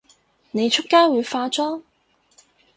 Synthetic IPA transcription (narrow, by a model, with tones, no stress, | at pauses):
ne˨˧jt͡ʃʰʊ˥kːaː˥wuː˨˧jfaː˧t͡sɔː˥